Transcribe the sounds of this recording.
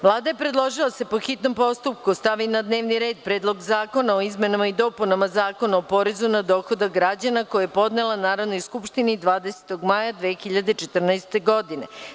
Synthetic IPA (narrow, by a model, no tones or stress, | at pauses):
ʋlˠaːd̪ajepɾe̞d̪lˠo̞ʒilˠasepo̞xit̪no̞mpo̞st̪up̚kust̪aʋinad̪ne̞ːʋniɾe̞ːd̪̚pɾeːd̪lˠo̞ɡzaːko̞naoizme̞namaid̪o̞ːpunamazaːko̞naopo̞ɾezunad̪o̞ːxo̞d̪aɡɾad͡ʑanakojajepo̞d̪nelˠanaːɾaʋnojskupʃt̪inid̪ʋaːd̪ese̥t̪o̞ɡmajad̪ʋeːxiʎad̪et͡ʃet̪rnaest̪e̞ɡo̞d̪ine̞̰